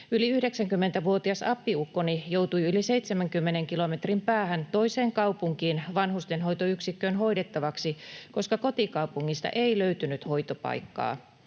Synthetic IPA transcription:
yliyhdeksæŋkymːent̪æʋuot̪iɑsɑpːiukːonijowt̪ujyliseit̪semæŋkymːeneŋkilome̞t̪rimpæːhænt̪o̞iseːŋkɑwpuŋkiːnʋɑnhust̪enɦo̞jt̪oyksikːøːnɦo̞idet̪ːɑʋɑksiko̞skɑko̞t̪ikɑupuŋːist̪ɑ̰ʔeiløyt̪ynyt̪ho̞it̪opɑ̰jkːɑ̰ː

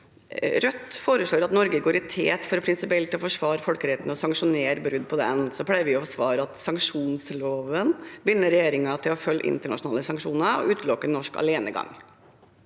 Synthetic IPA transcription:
ɾœt̪ːfoːɾəʂɭoːɾɑt̪nɔɾɡəɡoːɾɪt̪ʰeːt̪fɔɾɔpʰɾɪnsɪpɪɛlt̪ːɪɔfɔʂʋɑːɾfɔlkəɾɛt̪nɔsɑŋʂʊneːɾbɾʉd̪ːpʰɔd̪ɛ̰nsɔpʰɽæɪʋɪɔfɔsʋɑːɾəɑt̪sɑŋkʂuːnsloːʋənbɪnːəɾɛjeːɾɪŋɑt̪ʰɪlɔfœlːʔɪ̰nt̪əɳɑ̰ʂʊnɑːləsɑŋkʂuːnəɾɔ̰ʔʉːt̪lɔkːənːɔʂkɑ̰leːnə̰ɡɑ̰ŋː

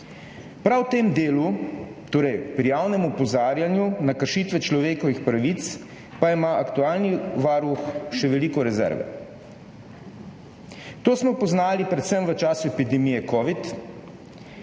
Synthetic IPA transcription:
pɾawt̪eːmd̪eːlut̪oːɾɛjpɾijawnɛmupɔzaːɾjanjunakəɾʃiːt̪ʋɛt͡ʃlɔʋeːkɔʋixpɾaʋit̪s | paimaːʔakt̪uaːlniʋaːɾuxʃɛʋɛliːkɔɾɛzɛ̰ɾʋɛ̰ | t̪oːsmɔpɔznaːlipɾɛt̪səmʋət͡ʃaːsuɛpid̪ɛmiːjɛkɔːʋit̪

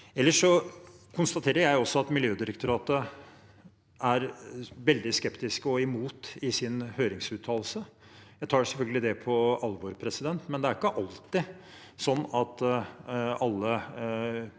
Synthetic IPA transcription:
ɛlːəʂɔkʰʊnst̪ɑt̪ʰeːɾəɾjæɪɔsːɔɑt̪mɪljøːd̪ɪɾəkt̪ʰʊɾɑːt̪ə | ʔæɾʋɛld̪ɪskɛpt̪ɪskəɔɛmuːt̪ɪsɪnhøːɾɪŋsʉːt̪ʰːɑːllsəjæɪt̪ʰɑːɖɛsɛlfœlɡəlɪd̪ɛpʰɔɑlːʋoːɾpʰɾɛsɪd̪ɛnt̪mɛnd̪ɛæɾɪkːəʔɑlt̪ɪ | sɔnːɑt̪ | ɑlːə

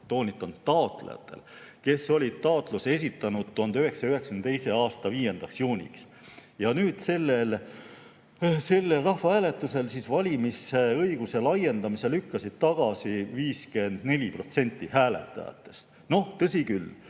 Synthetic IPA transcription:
t̪o̞ːnʲit̪ːˑɑnt̪t̪ːɑo̞t̪ˑlejɑ̰t̪ːˑe̞̰l | ke̞sːo̞lʲit̪ɑot̪ˑluse̞s̬ʲit̪ːˑɑnud̪̥̚t̪uɦɑnd̪yɦe̞ksɑyɦeksɑ̥kmnet̪ejse̞ɑːst̪ɑviːje̞nd̪̥ɑksjuːnʲḭks | jɑnyːd̪̥se̞lːe̞l | se̞lːelrɑhvɑhæːle̞t̪ːˑuse̞lsisvɑlʲimiseɤiɡ̥use̞lɑje̞nd̪̥ɑmise̞lykːɑsid̪̥̚t̪ɑɡ̥ɑsiviːske̞nd̪̥ne̞lʲipro̞t̪se̞nʲt̪ːihæːle̞̰t̪ːˑɑ̰jɑ̰t̪ːˑe̞̥st̪ | no̞ht̪ɤsikyl

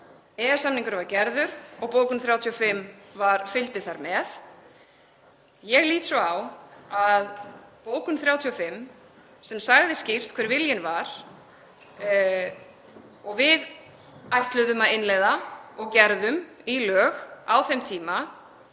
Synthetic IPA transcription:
ɛasamniŋkʏɾvaɾcɛɾðʏɾɔɣpoːwkʏmθɾjawt̪ʰiɔfɪmːvaɾ̥fʏlt̪ɪθaɾmɛð | jɛɣliːt̪sɔawaðpoːwkʏmθɾjaːwt̪ʰiɔfɪmː | sɛmsaɣðɪscɪft̪kʰvɛɾvɪljɪnvaɾ̥ | ɔɣvɪð | ajht̪lʏðʏmaðɪnlejðaɔɣcɛɾðʏmilœːɣawθɛmt̪ʰiːma

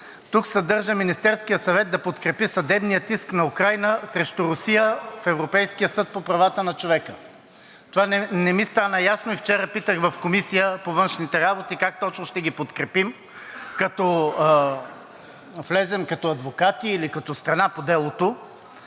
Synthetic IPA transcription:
t̪uksɐd̪ɤɾʒəminist̪ɛɾskijəsɐvɛt̪̚d̪ɐpot̪kɾɛpisɐd̪ɛbnijət̪isknɐukɾajnəsɾɛʃt̪ʊɾʊsijəfɛvɾopɛjskijəsɤt̪̚popɾɐvat̪ənɐt͡ʃovɛkə | t̪ovanɛnɛmist̪anəjasnoift͡ʃɛɾəpit̪əxvɐfkomisijəpovɤnʃnit̪ɛɾabot̪ikak̚t̪ɔt͡ʃnoʃt̪ɛɡipot̪kɾɛpim | kɐt̪ɔ | flɛzɛmkɐt̪ɔɐd̪vokat̪iːlikɐt̪ɔst̪ɾɐnapod̪ɛlˠot̪o

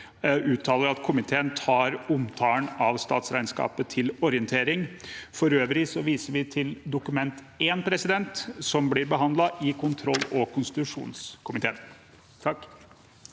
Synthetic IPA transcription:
ʉːt̪ʰːɑːləɾɑt̪kʰʊmɪt̪ʰeːənt̪ʰɑːɾʊmt̪ʰɑːəɳɑʋst̪ɑ̰ːt̪sɾæɪnskɑ̰ːpət̪ʰɪlɔɾɪənt̪ʰeːɾɪŋfɔɾøːʋɾɪsɔʋiːsəɾʋɪt̪ʰɪld̪ʊkʉmɛnt̪ | eːnpʰɾɛsɪd̪ɛnt̪sɔmblɪɾbəɦɑnd̪lɑʔɪkʰʊnt̪ʰɾɔlːɔkʰʊnst̪ɪt̪ʉʂṵːnskʰʊmɪt̪ʰḛːn | t̪ʰɑkː

